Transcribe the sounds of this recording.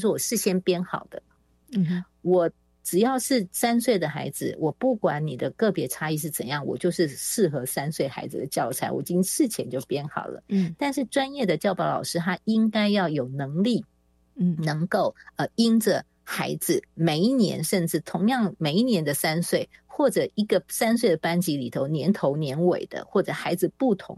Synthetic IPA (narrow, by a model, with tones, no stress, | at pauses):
ʂ̬wɔ˥˩wɔ˨˩ʂɻ̩˥˩ɕjɛ˥npjɛ˥nxɑ˨˩ʊd̪̥ə˦ | wɔ˨˩ | ʈ͡ʂɻ̩˨˩jɑ˥˩˧ʊʂɻ̩˥˩sa˥ns̬we˥˩ɪd̪ə˩xa̰˧˥ɪd͡zɹ̩˧wʔɔ˨˩pu˥˩kwa˧˥nni˨˩d̪ə˦kɤ˥˩pjɛ˧˥ʈ͡ʂʰa˥i˥˧ʂ̬ɻ̩˥˩t͡sə̰˨˩njɑ˥˩ŋwɔ̰˨˩t͡ɕjo˥˧ʊʂɻ̩˥˧ʂɻ̩˥˩xɤ˧˥sa˥nswe˥˩ɪxa̰˧˥ɪd͡z̩˨d̪ə˨t͡ɕjɑ˥˩ʊt͡sʰa˧˥ɪwɔ̰˨˩t͡ɕi˥ŋʂɻ̩˥˩t͡ɕʰjɛ˧˦nt͡ɕjo˥˩ʊpjɛ˥nxɑ̰˨˩ʊlə̰˦t̪a˥˧nʂɻ̩˥˩ʈ͡ʂwa˥njɛ˥˩d̪ə˩t͡ɕjɑ˥˩ʊpɑ˥ʊlɑ̰˨˩ʊʂɻ̩˥t̪ʰa˥i˥ŋka˥ɪjɑ˥˩ʊjo˨˩ʊnɤ˧˥ŋli˥˩ | nɤ˧˥ŋko˥˩ʊə˧i˥nʈ͡ʂə˨ | xa˧˥ɪd͡zɹ̩˨me˨˩ɪi˥njɛ̰˧˥nʂə˥˧nʈ͡ʂɻ̩˥˩t̪ʰʊ˧˥ŋjɑ˥˩ŋme˨˩ɪi˥˩njɛ˧˥nd̪ə˨sa˥nswe˥˩ɪxwɔ˥˩ʈ͡ʂɤ˨˩i˧˥ɡə˨sa˥nswe˥˩ɪd̪ə˩pa˥nt͡ɕi˧˥li˨˩t̪ʰo˧˥ʊnjɛ˧˥nt̪ʰo˧˥ʊnjɛ˧˥nwḛ˨˩ɪd̪̥ə̰˦xwɔ˥˩ʈ͡ʂɤ˨˩xa˧˥ɪd͡zɹ̩˧pu˥˩t̪ʰʊ̰˧˥ŋ